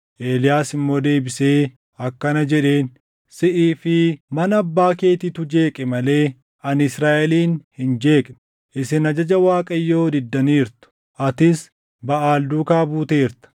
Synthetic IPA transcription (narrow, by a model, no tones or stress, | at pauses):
ʔeːlɪjaːsɪmːo̞ːd̪e̞ːbɪse̞ː | ɐkːɐnɐd͡ʒɛᶑe̞ːn | sɪʔiːfɪmɐnɐɐbːaːke̞ːt̪ɪt̪ʊd͡ʒe̞ːkʼɛmɐle̞ː | ɐnɪsɾaːʔɛliːnhɪnd͡ʒe̞ːkʼn | ʔɪsɪnɐd͡ʒɐd͡ʒɐwaːkʼɐjːo̞ːd̪ɪd̪ːɐniːɾt̪ʊ̥ | ʔɐt̪ɪs | bɐʔaːld̪uːkaːbuːt̪eːɾt̪ɐ̥